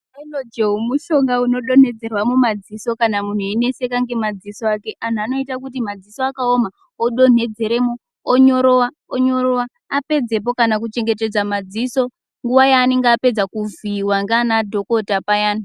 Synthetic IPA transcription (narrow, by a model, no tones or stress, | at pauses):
enod͡ʒeumuʃo̞ŋɡauno̞ɗo̞ne̞d͡ze̞rwamumad͡ziso̞kanamun̤uine̞se̞kaŋɡe̞mad͡zisoake̞ʔan̤uano̞itak̬utimad͡zisoakaoma | oɗo̞ne̞d͡ze̞ɾe̞moː | ɲo̞ɾo̞wa | oɲo̞ɾowaː | pe̞d͡ze̞p̬o̞kanak̬ut͡ʃe̞ŋɡe̞t̬e̞d͡zamad͡ziso̞ | ŋɡuʋajaːne̞ŋɡaaːpe̞d͡zakuviwaŋɡanadʱo̞ko̞tapajaːna